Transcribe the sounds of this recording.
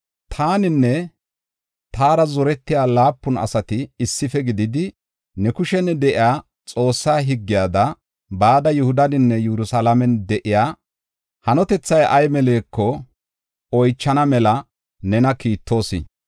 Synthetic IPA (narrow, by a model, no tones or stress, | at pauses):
t̪ʰaːnɪnːɛ | t̪aːɾɐzɔɾɛt̪ːɪjaːlaːpːʊnɐ̰sɐt̪ɪːsːɪfɛɡɪd̪ɪd̪ɪ | nɛkʊʃɛnɛd̪ɛʔɪjaː | t͡sʼo̞ːsːaːɦɪɡːɪjaːd̪ɐ | baːd̪ɐjʊhʊd̪ɐnɪnːɛjuɾʊsalɐmɛnd̪ɛʔɪjaː | hɐnɔt̪ɛt͡sːɐjʔɐjmɛle̞ːkːɔ | ɔjt͡ʃːɐnɐmɛlɐ | nɛnɐkiːt̪ʰːo̞ːsɪ̰